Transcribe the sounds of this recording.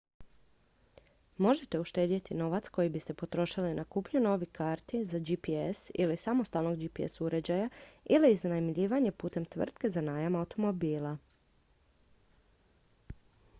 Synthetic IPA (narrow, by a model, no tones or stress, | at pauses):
mo̞ʒe̞t̪e̞uʃt̪e̞ːd̪it̪ino̞ʋat̪sko̞jibist̪e̞po̞t̪ɾo̞ʃilinʔakuːpɲuno̞ʋikʰaːɾt̪izad͡ʒipiesḭlisamo̞st̪alno̞ɡd͡ʒipiḛsuɾe̞d͡ʑajailiːznanamʎiːʋaɲe̞puːt̪e̞mt̪ʋr̩t̪ke̞zanaːjamawt̪o̞mo̞biːlˠa